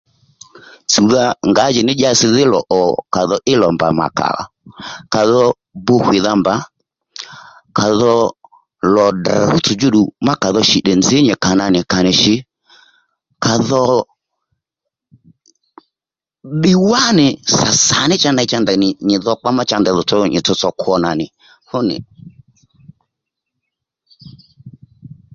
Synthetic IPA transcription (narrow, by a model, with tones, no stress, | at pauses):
t͡su˨ða˦ŋɡa˨˦d͡ʒɪ˨nɪ˦ʄa˧˦sɪ˧ðɪ˦lɔ̰˨ʔɔ˨ka˨ðɔ˧ʔɪ˦lɔ˨mba̰˨ma̰˨ka̰˨la̰˨ka˨ðɔ˦ | bʊ˧hwɪ˨ða˧mba˨˦ | ka˨ðɔ˧ | lɔ˨da˨ɾʊ˦t͡sʊ˨d͡ʒʊ˦ɗu˨ma˦ka˨ðɔ˧ʃi˨ɗɛ˨nzɪ˨˦ɲɛ˨ka˨na˧nɪ˨ka˨nɪ˨ʃɪ˨ | ka˨ðɔ˦ | ɓɪ˦wa˦nɪ˨sa˨sa˨nɪ˦t͡ʃa˦na˧˦t͡ʃa˧nda˨nɪ˨ɲɪ˨ðɔ˧k͡pa˦ma˦t͡ʃa˧ndɛ˨ðɔ˨t͡sɔ˧ɲɪ˨t͡sɔ˧t͡sɔ˧kʰɔ˧na˨nɪ˨ | hʊ˦nɪ̰˨